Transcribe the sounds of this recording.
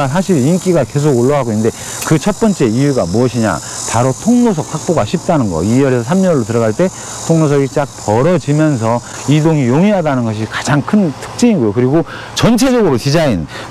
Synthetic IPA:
s̬ʰaɕʰiɾiink͈iɡake̞s̬ʰoɡoɭːʌɦaɡoinde̞ | kɯt͡ɕʰʌt̚p͈ʌnt͡ɕ͈e̞ijuɡamuʌɕʰiɲa̰ | paɾotʰoŋnos̬ʰʌk̚sʰak̚p͈oɡaɕʰip̚t͈anɯnɡʌ̰ijʌɾesʰʌs̬ʰamɲʌɭːotɯɾʌɡaɭt͈e̞ | tʰoŋnos̬ʰʌɡit͡ɕ͈ak̚pʌɾʌd͡ʑimjʌns̬ʰʌ | idoŋijoŋiɦadanɯnɡʌɕ̬ʰikḁd͡ʑaŋkʰɯntʰɯ̥k̚t͡ɕ͈iinɡojokɯɾiɡo | t͡ɕʌnt͡ɕʰe̞d͡ʑʌɡɯɾot͡ɕid͡ʑain

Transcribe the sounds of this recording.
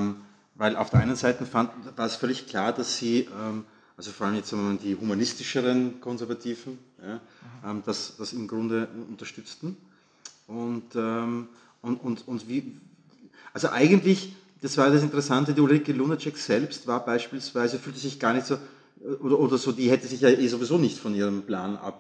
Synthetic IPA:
m | vaɪlʔa̰ʊfd̥ɛɐʔa̰ɪnənzaɪtn̩fandvaːɐɛsfœɐlɪçkʰl̥aːɐd̥asːiːʔɛm | ʔalzofɔɐaləmjɛt͡stz̥aɡŋəmandiːhumanɪstɪʃəʁənkʰɔnzɛɐvatʰiːvn̩jaːʔɛːmd̥asd̥asɪmɡʁʊndəʔʊntɐʃtʏt͡stn̩ | ʔʊntɛm | ʊnʊntʊntv̥iː | ʔalzoʔaɪɡəntlɪç | d̥asv̥aːjadas̬ɪntəʁɛsantədiːulʁikəlunət͡ʃɛkz̥ɛlpstv̥aːɐbaɪʃpiːlsv̥aɪzəfyːltəzɪçɡ̥aːɐnɪçtsoː | ɛʔoːdɐʔoːdɐzoːdiːhɛtəzɪçjaʔeːzovizoːnɪçtfɔnʔiːʁəmpla̰ːnʔa̰p

